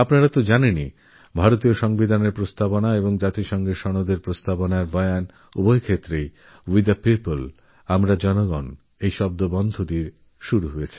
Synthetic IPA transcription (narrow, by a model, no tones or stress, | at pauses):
apnaɾat̪od͡ʑaneni | bʱaɾot̪̬ioʃɔŋbid̪ʱaneɾpɾost̪aponaeboŋd͡ʑat̪iʃɔŋɡeʃɔnod̪ʱeɾpɾost̪aponaɾbɔean | ubojkʰet̪ːɾej | wid̪apipol | amɾad͡ʑɔnoɡɔn | ejʃɔb̚d̪obɔnd̪ʱod̪iɾ | ʃuɾuɦoet͡ɕʰi̥